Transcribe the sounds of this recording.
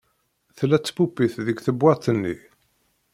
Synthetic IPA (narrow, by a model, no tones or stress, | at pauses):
θlæt͡sːfupːiθðəɡθəbwæt̪ənːi